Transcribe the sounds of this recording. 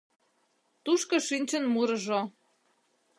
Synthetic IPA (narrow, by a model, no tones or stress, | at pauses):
t̪uʃkoʃinʲt͡ɕə̆nmuɾə̆ʒo